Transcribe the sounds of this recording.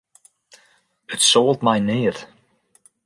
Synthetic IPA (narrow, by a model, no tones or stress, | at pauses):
ətsoːlˠdmajnɪːð